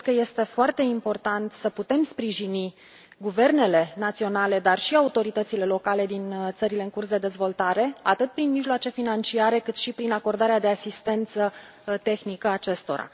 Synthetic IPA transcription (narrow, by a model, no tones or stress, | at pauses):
kəje̞st̪e̞foart̪e̞impo̞rt̪ant̪səput̪e̞mspɾiʒini | ɡuve̞rne̞le̞nat̪sio̞nale̞d̪arʃiaut̪o̞ɾit̪ət̪sile̞lo̞kale̞d̪int̪səɾile̞ɨŋkursd̪e̞d̪e̞zvo̞lt̪aɾe̞at̪ɨt̪̚pɾinmiʒloat͡ʃe̞finant͡ʃiaɾe̞kɨt̪ʃipɾinako̞rd̪aɾead̪e̞asist̪e̞nt̪sə | t̪e̞xnikəat͡ʃe̞st̪o̞̰ɾa̰